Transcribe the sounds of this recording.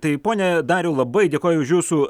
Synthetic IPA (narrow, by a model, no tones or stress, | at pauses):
t̪ɐɪpoːnʲɛd̪ɑːɾʲjɛʊlˠɐbɐɪdʲeːkoːjʊʊʃjuːsuː